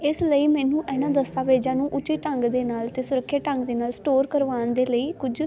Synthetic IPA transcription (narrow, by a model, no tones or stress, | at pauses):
ɪsləiːmɛ̃ːnũːʔɛːnãːd̪əst̪aːʋeːd͡ʒãːnũːʔʊt͡ʃiːʈəŋɡd̪eːnaːlt̪eːsʊɾəkʰːjaːʈə̃ŋɡd̪eːnaːlsʈoːɾkəɾʋaːnd̪eːləiːkʊd͡ʒ